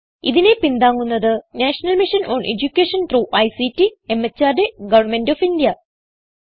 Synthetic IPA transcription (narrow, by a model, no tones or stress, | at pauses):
iðine̞pind̪aːŋːunːɐðɨnaːʂɐnɐlmiʂɐnʔoːɳʔed͡ʑukʲːeːʂɐnt̪ruːʔɐjsitːiemːɐt͡ɕːaːrɖeɡɐʋɐrmendoːfindijɐ